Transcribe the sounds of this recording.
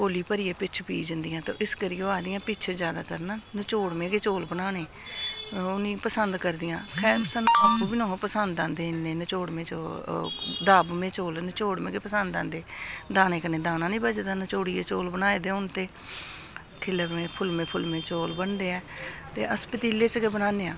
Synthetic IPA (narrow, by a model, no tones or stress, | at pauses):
koːliːpəɾiːeːpɪt͡ʃʰpiːd͡ʒənd̪ɪjãːt̪õ̰ːʔɪskəɾiːoːaːd̪ɪjãːpɪt͡ʃʰːd͡ʒjaːd̪a̰ːt̪əɾnaːnət͡ʃoːɽmẽːɡeːt͡ʃoːlbənaːneː | ʊnĩːpəsənd̪kəɾd̪ɪjãːkʰɛːɾsənõːəkʰːũːbinõːpəsənd̪ãːnd̪eːnːeːnət͡ʃoːɽmẽːt͡ʃo | d̪aːbmẽːt͡ʃoːlnət͡ʃoːɽmẽːɡeːpəsənd̪ã̰ːnd̪eːd̪aːnẽːkənẽːd̪aːnãːnĩːbəd͡ʒd̪aːnət͡ʃoːɽieːt͡ʃoːlbənaːed̪eːʊnt̪eː | kʰɪləmẽːpʰʊlmẽːpʰʊlmẽːt͡ʃoːlbənd̪eːɛːt̪eːəspət̪iːleːt͡ʃkeːbənaːneːãː